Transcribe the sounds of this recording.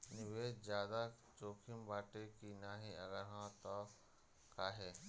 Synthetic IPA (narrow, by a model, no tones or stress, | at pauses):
nɪʋeːd͡ʒd͡ʒjaːd̪a | t͡ʃoːkʰɪmbaːʈekinaːɦiɐɡəɾɦãt̪ɔ | kaːɦeː